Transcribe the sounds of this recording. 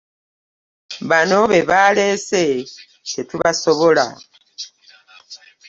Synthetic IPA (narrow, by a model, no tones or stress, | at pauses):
βano̞βe̞βale̞se | setuβaso̞βo̞la̰